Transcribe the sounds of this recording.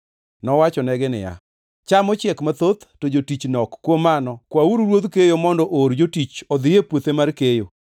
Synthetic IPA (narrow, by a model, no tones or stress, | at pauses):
nɔwat͡ʃɔnɛɡɪnɪ̰ja̰ | t͡ʃamɔt͡ʃɛkmat̪ot̪tod͡ʒotit͡ʃnɔkːwomanɔkwauɾɾwod̪kejomɔndɔʔoɾd͡ʒotit͡ʃɔd̪ɪjepwot̪emarkejo